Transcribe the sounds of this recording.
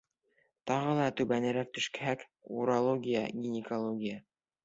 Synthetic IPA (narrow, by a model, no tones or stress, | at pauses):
t̪ɑʁɤlˠɑt̪ʉβænɘ̆ɾæk̚t̪ɵ̆ʃkæhæk | uɾalˠoɡʲija̰ɡʲinʲɪkolˠoɡʲijə